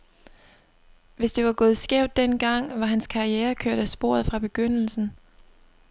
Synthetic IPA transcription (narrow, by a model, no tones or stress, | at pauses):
ʋe̝sd̥e̝ʋɑ̈ɡ̥ɔ̽ːð̞̩ˠsɡ̥ɛʊ̰d̥ːenɡ̥ɑ̈ŋ̰ʋɑ̈ɦænskʰɑ̈ieːɐkʰøɐ̰d̥æsb̥o̝ɐ̰ð̞̩ˠfʁɑ̈b̥e̝ɡ̥øn̰l̩sn̩